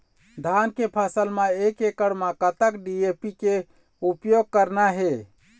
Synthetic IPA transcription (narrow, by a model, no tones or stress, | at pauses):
d̪ʱankepʰasəlmeekekəɽmakət̪əkɖiepike | upjoɡ̚kəɾnaɦe